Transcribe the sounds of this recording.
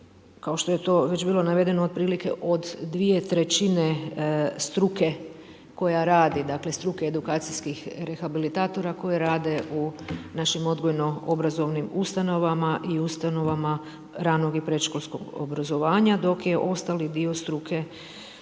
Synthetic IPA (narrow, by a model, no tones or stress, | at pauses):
kaoʃt̪o̞jet̪o̞ʋed͡ʑbiːlˠo̞naʋe̞d̪e̞nood̪̚pɾiːlike̞̰ʔo̞d̪ːʋije̞t̪ɾe̞t͡ɕinest̪ɾuke̞ | ko̞jaɾaːd̪id̪akle̞st̪ɾukeed̪ukaːt̪siskixɾe̞xabilit̪aːt̪o̞ɾako̞jeɾaːd̪e̞unaʃimo̞d̪ɡo̞jno̞obɾazo̞ʋnimust̪ano̞ʋamaʔiust̪ano̞ʋama | ɾaːno̞ɡipɾe̞ʃkolʲˠskoɡo̰bɾazo̞ʋaːɲad̪o̞kjeʔo̞st̪alid̪io̞st̪ɾukʰe̞